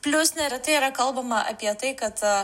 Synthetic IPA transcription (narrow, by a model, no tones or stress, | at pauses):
pʲlʲʊsnɐɾʲɐt̪ɨɪɾɐkɐlˠbɐmɐʔɐ̰pʲjɛt̪ɨɪkɐt̪